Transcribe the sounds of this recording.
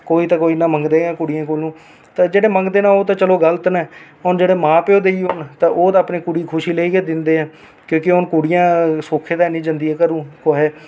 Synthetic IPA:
koːiːt̪ãːkoːinãːməŋɡd̪eːãːkʊɽɪjãːkoːlũː | t̪ãːd͡ʒeːɽeːməŋɡd̪eːnãːoːt̪ãːt͡ʃəloːɡəlt̪nɛː | ʊnd͡ʒeːɽeːmãːpeoːd̪eiʊnt̪ãːʔoːd̪aːpneːkuɽiːkʰʊʃiːleiːkeːd̪ɪnd̪eːɛ̃ː | kjõːkɪʊnkuɽɪjãːsoːkʰeːd̪aːnĩːd͡ʒãnd̪iːɛːkəɾũːkoːɦeː

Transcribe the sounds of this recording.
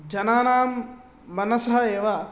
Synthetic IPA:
d͡ʒɐnaːnaːmː | ɐnɐsɐɦɐeːʋɐ

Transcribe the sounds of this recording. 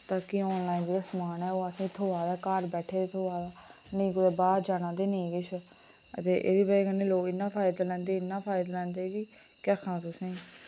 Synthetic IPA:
t̪aːkiɔːnlaːĩnd͡ʒeːɾasmaːnɛːoːəsĩːt̪ʰːoːʋaːd̪aːkaːɾbɛːʈʰeːet̪ʰoːʋaːd̪aː | nəĩːkʊd̪eːbaːɾd͡ʒaːñãːd̪eːnẽĩːkɪt͡ʃʰ | ə̰t̪eːʔḛːd̪iːbəːkənːeːloːkɪnːãːpʰaːɪd̪aːlɛ̃ːnd̪eːɪnːãːpʰaːɪd̪aːlɛ̃ːnd̪eːʋiː | kɛːkʰːãːt̪ʊsẽː

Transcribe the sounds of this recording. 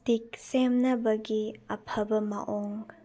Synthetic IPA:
d̥ik̚semnɐbɐɡiɐpʰɐbɐma̰ʔoŋ

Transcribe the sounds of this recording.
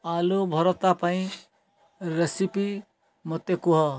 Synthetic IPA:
alubʱɔɾɔt̪apaĩ | ɾesipi | mɔt̪ekuɦɔ

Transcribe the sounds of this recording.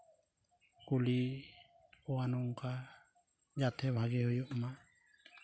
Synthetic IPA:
kuli | ɔwanɔŋka | d͡ʒat̪ʰɛbʱaɡɛhɔjɔʔma

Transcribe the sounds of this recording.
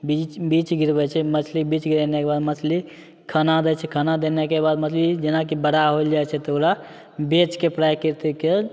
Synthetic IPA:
bit͡ʃbit͡ʃɡiɾbɛt͡ʃʰɛmət͡ʃʰlibit͡ʃɡiɾɛnekebad̪mət͡ʃʰli | kʰənad̪ɛt͡ʃʰɛkʰənad̪enekebad̪mət͡ʃʰlid͡ʒenakibəɽaɦold͡ʒajt͡ʃʰɛt̪oɾa | bet͡ʃkepɾajkəɾt̪ɛke

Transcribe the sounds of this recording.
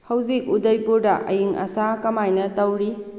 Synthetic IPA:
hɐwzik̚udɐjpuɾdɐʔɐ̰jiŋɐ̰sakɐmajnɐtɐwɾi

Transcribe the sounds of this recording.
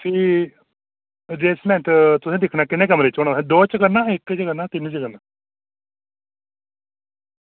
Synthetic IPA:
siː | d͡ʒeːsmɛ̃ːnʈt̪ʊsẽːd̪ɪkʰnaːkɪnẽːkəmɾet͡ʃoːɽãːɛ̃ːd̪oːt͡ʃəkənaːɪkt͡ʃəkənãːt̪ɪnt͡ʃəɡənãː

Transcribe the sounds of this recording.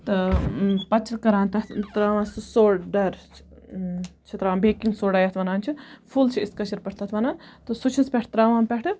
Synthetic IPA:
t̪ɐpɐt͡ʃʰɐkɐɾãːnt̪ɐt̪ɾaːʋãːssoːɖɐɾ | t͡ʃʰɐt̪ɾaːmbeːkĩŋɡsoːɖaːjɐt̪ʰʋɐnaːnt͡ʃʰipʰult͡ʃʰiɪskɐʃɐɾpɐʈʰt̪ʰɐt̪ʰʋɐnãːt̪ɨsut͡ʃʰispʲɛʈʰt̪ɾaːʋãːpʲɛʈʰɨ

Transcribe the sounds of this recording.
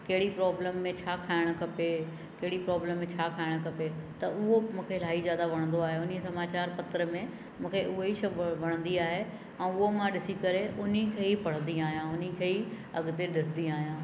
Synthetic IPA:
kɐɦɪɽipɾɔːbləmːẽt͡ɕʰaːkʰaːɪɽ̃əkɐpe | kɐɦɪɽipɾɔːbləmːẽt͡ɕʰaːkʰaːɪɽ̃kɐpet̪ɐʊɦomũːkʰelaːizjaːd̪aʋɐɽ̃nd̪oaːɦeʊnisɐmaːt͡ɕaːɾpɐt̪əɾəmẽ | mũːkʰeʊɦoiʃɐbʋɐɽ̃ə̃nd̪iaːɦe | ɛ̃ːʊɦomãɗɪsikɐɾeʔʊnikʰeːipɐɽ̤ə̃nd̪iaːɦijãʊnikʰeːi | ɐ̰ɡt̪eɗɪsɪnd̪iaːɦijãː

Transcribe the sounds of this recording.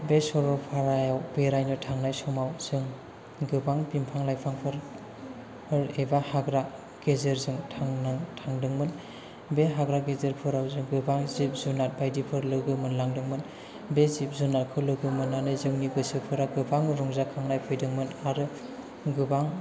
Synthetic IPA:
besɔɾɔpʰaɾajawbeɾajnɯtʰaŋnajsɔmawz̥ɯŋ | ɡɯbaŋbimpʰaŋlajpʰaŋpʰɯɾ | ɯɾebahaɡɾa | ɡ̥ezɯɾzɯŋtʰaŋnaŋtʰaŋdɯŋmɯn | beɦaɡɾaɡezeɾpʰɯɾawzɯŋɡɯbaŋzip̚zunat̚bajdipʰɯɾlɯɡɯmɯnlaŋdɯŋmɯn | bezip̚zunat̚kʰɯlɯɡɯmɯnanɯzɯŋniɡɯsɯpʰɯɾaɡɯbaŋɾɔŋzakʰaŋnajpʰɯjdɯŋmɯnaɾɯ | ɡɯbaŋ

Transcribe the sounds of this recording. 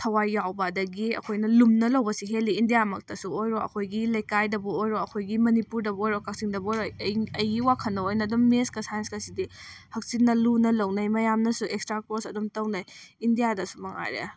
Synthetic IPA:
tʰɐwajːawbadɐɡiɐ̰kʰojnɐlumnɐlɐwbɐsiɦelːiːndijamɐk̚tɐsuojɾoʔɐ̰kʰojɡilɐjkajdɐbuojɾoɐkʰojɡimɐnipuɾdɐbojɾokak̚siŋdɐbojɾojɐjɡiwakʰɐnːɐojnɐːdumːeskɐsajɐnskɐsidihɐk̚sinːɐlunɐlɐwnɐjmɐjamnɐsuʔekstɾakosɐdumtɐwnajindijadɐsu̥mɐŋa̰ɾḛa̰

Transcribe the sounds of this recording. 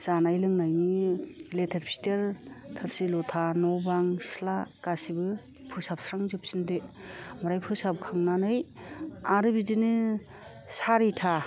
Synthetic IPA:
z̥anajlɯŋnajniletʰeɾpʰi̥teɾtʰɯɾsilɔtʰanɔbaŋslakasibɯ | pʰɯsap̚sɾaŋzɯp̚sindemɔɾajpʰɯsab̚kʰaŋnanɯjaɾɯbidinɯ | saɾitʰa

